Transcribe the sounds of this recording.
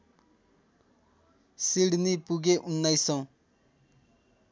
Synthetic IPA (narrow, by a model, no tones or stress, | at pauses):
siɽnipuɡeʔunːajsɔ̃